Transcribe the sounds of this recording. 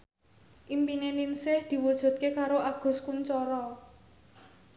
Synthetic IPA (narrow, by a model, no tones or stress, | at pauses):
ʔimpineninsɪhd̪̥i̤wud̥ʒ̥ṳt̪̚kekaɾoʔaɡ̥ʊ̤skuɲt͡ʃɔɾɔ